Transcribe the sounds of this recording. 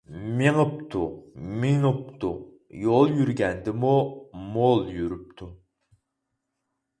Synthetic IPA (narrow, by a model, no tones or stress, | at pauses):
meŋəpt̪ʰumeŋɨpt̪ʰu | jolˠjyɾɡʲɛnd̪ɪmumolˠjyɾyp̚t̪ʰu